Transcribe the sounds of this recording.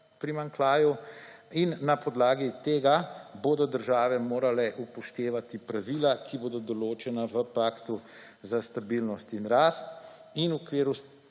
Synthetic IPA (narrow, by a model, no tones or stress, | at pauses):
pɾimaŋklaːjuinːapɔd̪laːɡit̪eːɡaboːd̪ɔd̪əɾʒaːʋɛmoːɾalɛʔupɔʃt̪eːʋat̪ipɾaʋiːlakʰiboːd̪ɔd̪ɔloːt͡ʃɛnaʋəpaːkt̪u | zast̪abilnɔst̪inɾaːst̪ | inukʋeːɾu